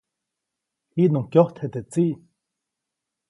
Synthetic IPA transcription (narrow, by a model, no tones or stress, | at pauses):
inõŋkjoht̪ʰhet̪et͡siʔ